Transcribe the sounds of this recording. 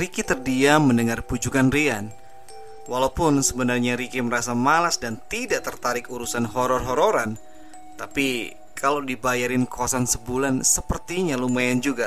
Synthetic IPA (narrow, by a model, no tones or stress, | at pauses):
ɾikit̪ərdiaməndəŋarpud͡ʒukanrian | walawpʊnsəbənarɲaɾikiməɾasamalasdant̪idaʔt̪ərt̪aɾɪkuɾusanɦɔɾɔrɦɔɾoɾan | t̪api | kʰalawdibajaɾɪnkowasansəbulansəpərt̪iɲalumajand͡ʒuɡa